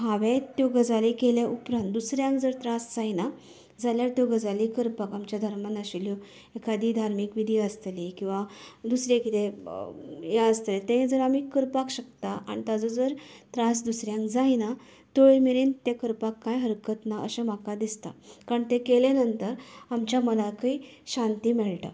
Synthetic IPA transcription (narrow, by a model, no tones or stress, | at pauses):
ɦaʋẽt̪joɡəd͡zalikeljaʔupɾãnt̪̚d̪usɾjãŋkd͡zəɾt̪ɾãsd͡zaina | d͡zaljaɾt̪joɡəd͡zalikəɾpakamt͡ɕjad̪ʱəɾmənəɕiljo | ekad̪ʱiːd̪ʱaɾmikʋid̪ʱiəst̪likĩw̃ʋad̪usɾjakit̪e | jaəst̪əlet̪ẽẽd͡zəɾamikəɾpakɕək̚t̪aʔa̰ñit̪ad͡zod͡zəɾt̪ɾãsd̪usɾjãŋkd͡zaina | t̪oɭemeɾent̪ekəɾpakːãjɦəɾkət̪naʔəɕəmakad̪ist̪a̰kaɾəɳt̪ẽkelenənt̪əɾamt͡ɕjamənakəiɕant̪iːmɛɭʈa̰